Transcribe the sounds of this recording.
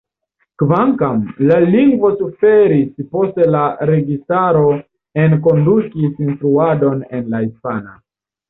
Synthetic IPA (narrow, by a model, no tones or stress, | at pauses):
kvaŋkamlaliŋɡvo̞sufe̞ɾispo̞ste̞laɾe̞ɡistaɾo̞ | enk̬o̞ndukisinstɾuado̞ne̞nlahispana